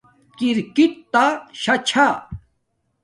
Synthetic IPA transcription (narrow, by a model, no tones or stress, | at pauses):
kiɾkit̪t̪aɕɐt͡ɕʰa